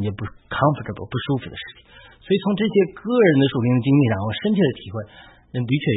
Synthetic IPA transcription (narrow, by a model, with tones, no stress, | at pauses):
njɛ˧˩pu˥˩ʂkʰɑ˥ŋfə˨˩ə˥˩bpu˥˩ʂu˥fu˨˩d̪ə̰˦ʂɻ̩˥˩t͡ɕʰi̥˨˩ŋ | swɔ˧˥i˨˩t͡sʰʊ˧˥ŋʈ͡ʂɤ˥˩ɕjɛ˥kɤ˥˩ɻə˧˥nd̪ə˧ʂu˨˩li˧˥ŋd̪ə˧t͡ɕi˥ŋli˥˧ʂɑ˥˩ŋxo˧˩ʊʂə˥nt͡ɕʰi˥˩d̪ə˩t̪ʰi˨˩xwe˥˩ɪ | nə˧˩t̪̬i˧˥t͡ɕʰɥɛ˥˩